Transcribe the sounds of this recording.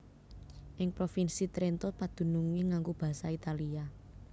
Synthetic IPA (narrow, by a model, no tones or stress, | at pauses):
ʔɪŋpɾofinsit̪ɾent̪ɔpad̪̥ṳnuŋiŋaŋɡub̥a̤sait̪alia